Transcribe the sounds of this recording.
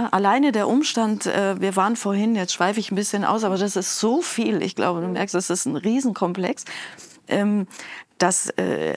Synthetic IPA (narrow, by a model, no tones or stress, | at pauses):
ʔalaɪnədeːɐʔʊmʃtantʔɛ̰ːviːɐvaːʁənfoːɐhɪnjɛt͡stʃv̥aɪfəɪçn̩bɪsçənʔa̰ʊs̬ʔaːbɐdasɪstz̥oːfiːlʔɪ̰çɡ̥lʔa̰ʊbəduːmɛ̰ɐkstd̥asɪstn̩ʁiːzn̩kʰɔmpl̥ɛks | ʔɛːmd̥asɛ̰ː